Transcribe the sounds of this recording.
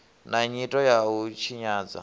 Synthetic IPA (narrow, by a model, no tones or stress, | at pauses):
naɲitʼɔjaut͡ʃʰiɲaːd͡za̰